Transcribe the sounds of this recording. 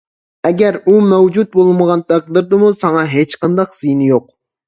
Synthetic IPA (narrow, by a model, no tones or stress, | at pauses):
ɛɡʲæɾumɛwd͡ʒut̪̚bolˠməʁɑnt̪ʰæq̚d̪ɨɾd̪ɨmusɑŋɑɦet͡ʃqʰɑnd̪ɑqz̥ɨjnɪjoq̚